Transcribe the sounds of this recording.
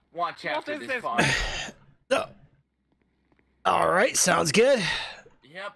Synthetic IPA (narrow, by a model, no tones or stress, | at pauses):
w | oʊ | ɔ̰lˠɹaɪtsãʊ̃ndzɡʊd̥